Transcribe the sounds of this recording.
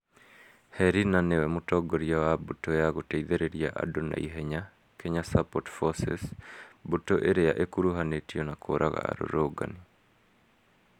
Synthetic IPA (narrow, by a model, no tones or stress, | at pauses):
hɛɾinanewɛmotɔɡoɾiawabotojaɣotɛiðeɾeɾiaʔa̰dona̰ḭɦɛɲa | kɛɲasapɔtfɔsɛ̰sbotoʔeɾejaʔekuɾuɦanetiɔnakʰoɾaɣa̰a̰ɾo̰ɾoɡa̰ni